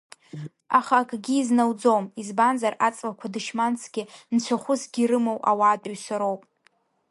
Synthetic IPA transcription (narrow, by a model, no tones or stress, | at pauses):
aχaːkʼɡʲiːznawd͡zomizbanzarat͡sʼlakʷʰadɨʃmant͡sʰɡ̥ʲɪnt͡ɕʷʰaχʷʊsɡʲiɾɨmowʔa̰waːtʼʊɥsaɾo̞wpʼ